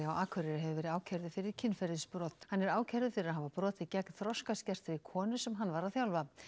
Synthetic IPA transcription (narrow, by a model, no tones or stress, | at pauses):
ɪawʔaːkʰvœɾɪɾɪɦɛvʏvɛːɾɪðaːwcʰɛɾðʏfɪɾɪɾ̥cʰɪnfɛɾðɪspɾɔːt̪hanːɛɾaːwcʰɛɾðʏfɪɾɪɾaðɦavapɾɔːt̪ɪcɛknθɾɔskascɛr̥t̪ɪɾikʰɔːnʏsɛmɦanːvaɾaðθjawlva